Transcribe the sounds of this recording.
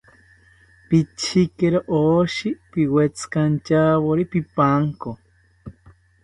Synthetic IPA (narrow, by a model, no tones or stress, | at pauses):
pit͡ʃʰikeɾoʔoʃipiwet͡skant͡ʃaβoɾipipaŋko